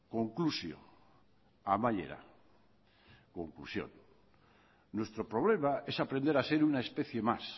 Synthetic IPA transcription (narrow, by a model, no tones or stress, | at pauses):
koŋklusjo̰ | amaʎḛɾa̰ | koŋklṵsjo̰n | we̞st̪ɾopɾoβ̞le̞mae̞sapɾe̞nd̪e̞ɾase̞ɾunaespe̞θje̞mas